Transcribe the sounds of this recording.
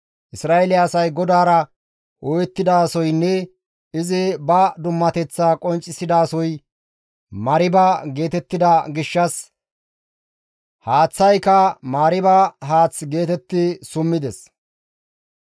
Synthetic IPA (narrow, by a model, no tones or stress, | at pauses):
ʔɪsɾaːɛlɪjːsɐjɡɔd̪aːɾɐ | ʔɔjɛt̪ːɪd̪aːsɔjnːɛ | ɪzɪbɐd̪ʊmːɐt̪ɛt͡sːaːkʼɔnt͡ʃʼːɪsɪd̪aːsɔj | mɐɾɪbɐɡe̞ːt̪ɛt̪ːɪd̪ɐɡɪʃːɐs | haːt͡sːɐjkɐmaːɾɪbɐɦaːt͡sɡe̞ːt̪ɛt̪ːɪsʊmːɪd̪ɛs